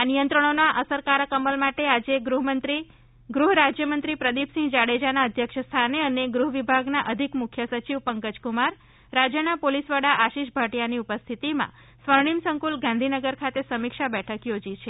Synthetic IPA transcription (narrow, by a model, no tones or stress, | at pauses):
anijə̃nt̪ɾəɳ̃onaʔəsəɾkaɾəkəməlmaʈead͡ʒeɡɾuɦmənt̪ɾi | ɡɾuɦɾad͡ʒjəmənt̪ɾipɾəd̪ipsĩŋɡd͡ʒaɽed͡ʒanaəd̪ʱjəkʃəst̪ʰaneəneɡɾuɦʋibʱaɡnaʔəd̪ʱikmʊkʰːjəsət͡ʃiʋpəŋkəd͡ʒkumaɾ | ɾad͡ʒjənapolisʋaɽaʔaʃiʃbʱaʈijaniupəst̪ʰit̪imã̰ | sʋəɾɳimsəŋkulɡãnd̪ʱinəɡəɾkʰat̪esəmikʃabɛʈʰəkjod͡ʒit͡ʃʰe